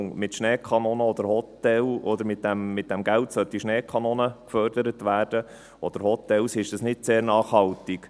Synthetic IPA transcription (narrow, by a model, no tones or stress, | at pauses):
ŋmɪtʃnɛːkʰɑnoːnəɔd̪əɾhɔt̪ːɛlɔd̪əɾmɪt̚d̥æmːɪt̚d̥æmɡæltsœt̪ːiʃnɛːkʰɑnoːnəkfœɾdəɾət̪ʋæːɾd̥ə | ʔɔd̪̥əɾhɔt̪ɛlsɪʃd̥əsnɪtseːɾnɑːχhɑlt̪ik